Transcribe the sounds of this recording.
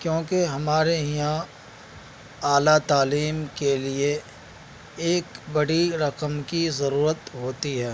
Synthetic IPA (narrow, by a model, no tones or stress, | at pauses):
kjõːkeɦɐmaːɾejã | aːlat̪aːliːmkelie | eːkbɐɽiɾɐqəmkizɐɾuːɾət̪ɦoːt̪iɦɛː